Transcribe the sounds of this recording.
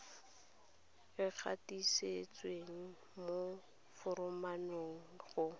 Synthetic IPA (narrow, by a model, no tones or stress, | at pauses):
ɪk͡xʰa̰tiset͡sweŋ̩ | mo | fʊɾʊmanoŋ̩χʊ